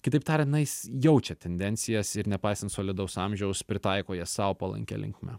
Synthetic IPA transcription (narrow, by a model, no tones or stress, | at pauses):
kʲɪt̪ɐɪpt̪ɑːɾʲɛnɐɪsjɛʊt͡ʃʲɛt̪ʲɛnʲd̪ʲɛnʲtsʲɪjɛsɪɾnʲɛpɐɪsɐnt̪soːlʲɪd̪ɐʊsɑmʲʒʲɛʊspʲɾʲɪt̪ɐɪkoːjɛsɑːʋopɐlˠɐ̰ŋʲkʲɛ̰lʲɪ̰ŋkmʲɛ̰